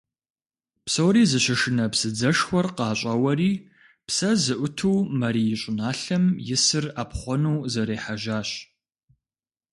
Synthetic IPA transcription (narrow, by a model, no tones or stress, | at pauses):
psowɾiːzɨɕɐʂɨnɐpsɨd͡zɐʂxʷɔrqɑːɕʼɐwɐriː | psɐzɨʔʷʊtʰuːmɐɾiːjɪɕʼʊnaːɬɐmjɪsɨraːpχʷɔnuːzɐɾeːħaʒaːɕ